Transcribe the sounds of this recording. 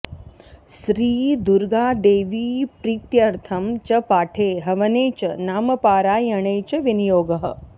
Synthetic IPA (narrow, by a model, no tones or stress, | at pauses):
ʃɾiːd̪uɾɡaːd̪eːʋiːpɾiːt̪jɐɾt̪ʰɐmt͡ʃɐpaːʈʰeːɦɐʋɐneːt͡ʃɐnaːmɐpaːɾaːjɐɳeːt͡ʃɐʋinijoːɡɐɦə̰